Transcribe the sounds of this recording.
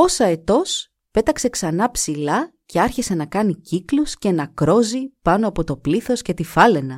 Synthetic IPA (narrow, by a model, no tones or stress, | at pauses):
o̞sɐet̪o̞s | pe̞t̪ɐkse̞ksɐnɐpsilɐce̞ɐɾçise̞nɐkɐniciklusce̞nɐkɾo̞zipɐno̞ɐpo̞t̪o̞pliθo̞sce̞t̪ifɐle̞nɐ